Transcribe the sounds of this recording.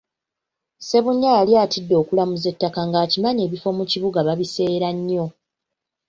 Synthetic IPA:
se̞βuɲːajalijaːtidːo̞ːkulamuze̞tːakaŋɡaːcimaɲe̞ːβifo̞muciβuɡaβaβise̞ːɾaɲːo̞

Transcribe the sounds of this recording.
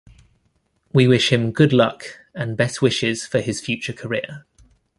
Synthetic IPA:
wiwɪʃhɪ̃mɡʊdlʌk | ə̃nbɛswɪʃɪz̥fəɪz̥fjʉˑt͡ʃəkʰəɹɪə

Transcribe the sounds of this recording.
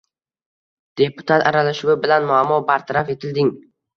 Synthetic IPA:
d̪̥e̞pʊt̪ʰat̪ʰaɾalaʃʊwɪbɪlanmʊamːɒbaɾt̪ʰaɾafe̞t̪ʰɪld̪ɪŋ

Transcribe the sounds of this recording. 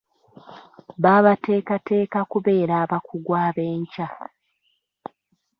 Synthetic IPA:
βaːβate̞ːkate̞ːkakuβe̞ːɾaːβakuɡwaːβe̞ːɲca

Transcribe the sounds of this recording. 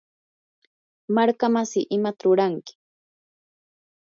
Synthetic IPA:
maɾkamasɪʔɪmat̪ɾʊɾaŋkɪ̥

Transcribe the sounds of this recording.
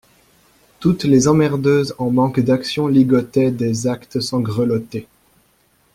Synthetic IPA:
t̪ut̪lezɑ̃mɛʁd̪øzɑ̃mɑ̃kd̪aksjɔ̃liɡɔt̪ɛd̪ezakt̪sɑ̃ɡʁəlɔt̪e

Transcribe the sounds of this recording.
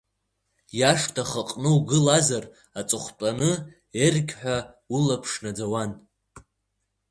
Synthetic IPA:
jaʂtʰaχaqʼnɨwɡɨlazar | at͡sʼɨχʷt͡pʷʼanɨ | erɡʲħʷᶣa | ulapʰʂnad͡zawan

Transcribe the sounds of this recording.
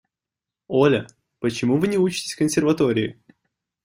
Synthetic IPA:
olʲə | pət͡ɕɪmuvɨnʲɪut͡ɕɪ̥tʲɪ̥sʲkənsʲɪrvɐt̪oɾʲɪɪ̰

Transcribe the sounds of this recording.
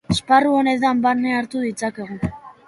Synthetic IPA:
esparuo̞ne̞t̪̬ambaɾneaɾt̪uðit͡sake̞ɣ̞o

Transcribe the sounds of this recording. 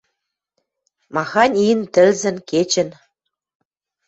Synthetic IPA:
mɑxɑnʲint̪ɘ̆lzɘ̆nket͡ɕɘ̆n

